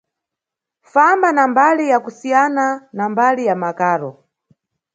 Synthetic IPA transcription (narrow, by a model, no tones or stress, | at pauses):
fambanambalijakusijananambalijamakaːɾɔ